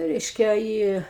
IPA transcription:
ˈrʲɛɪʃʲkʲɛ ˈiː

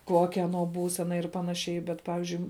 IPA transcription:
ˈkuɔkʲɛ ɐˈnuɔ ˈbuːsʲɛnɐ ɪr ˈpɑːnɐˌʃʲɛɪ bʲɛt ˈpɑːʋʲɪzʲd͡ʒʲʊɪ

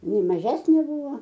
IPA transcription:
ɪˈnɐɪ mɐˈʒʲæːsʲnʲeː ˈbuːʋoː

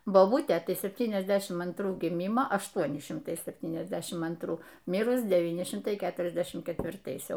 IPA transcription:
boːˈbʊtʲeː tɐɪ sʲɛpʲˈtʲiːnʲɛzʲˌdʲæːʃʲɪm ɐntˈruː ɡʲɪˈmʲɪmoː ɐʃˈtuɔnʲɪ ʃʲɪmˈtɐɪ sʲɛpʲˈtʲiːnʲɛzʲˌdʲæːʃʲɪm ɐntˈruː ˈmʲɪrʊs dʲɛˈʋʲiːnʲɪ ˈʃʲɪmtɐɪ ˈkʲæːtʊrʲɛzʲdʲɛʃʲɪm kʲɛtʲʋʲɪrˈtɐɪs ˈjɛʊ

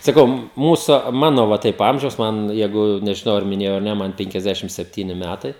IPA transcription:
sɐˈkɐʊ ˈmuːsʊ ˈmɑːnoː ʋɐ ˈtɐɪp ˈɐmʲʒʲɛʊs ˈmɐn ˈjɛɪɡʊ nʲɛʒʲɪˈnɐʊ ɐr mʲɪˈnʲeːjɛʊ ɐr ˈnʲɛ ˈmɐn pʲɛŋʲkʲɛzʲˈdʲæːʃʲɪm sʲɛpʲˈtʲiːnʲɪ ˈmʲætɐɪ

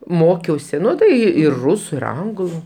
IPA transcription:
ˈmoːkʲɛʊsʲɪ ˈnʊ tɐɪ ɪr ˈrʊsʊ ɪr ˈɐŋɡlˠʊ

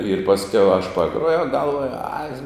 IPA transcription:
ɪr pɐsʲˈkʲɛʊ ɐʃ pɐˈɡruɔjɛʊ ɡɐlˠˈʋuɔjʊ ɐɪ

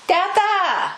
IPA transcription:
ˈtʲæːtɐ

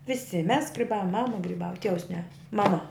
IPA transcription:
ʋʲɪˈsʲɪ mʲɛs ɡrʲɪˈbɑːʋoːm ˈmɑːmɐ ɡrʲɪˈbɑːʋɐ ˈtʲiɛʋʊs nʲɛ mɐˈmɐ

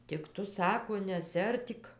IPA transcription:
tʲɪk ˈtʊ ˈsɑːkoː nʲɛsʲɪˈɐrʲtʲiːk

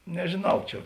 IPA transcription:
nʲɛʒʲeːˈnɐʊ ˈt͡ʃʲɛ

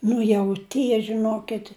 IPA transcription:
ˈnʊ jɛʊ ˈtʲiɛ ʒʲɪˈnoːkʲɪtʲ

